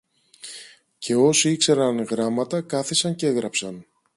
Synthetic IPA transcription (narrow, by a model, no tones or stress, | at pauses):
cʰe̞o̞siikse̞ɾɐnɣɾɐmɐt̪ɐkɐθisɐɲceeɣɾɐpsɐn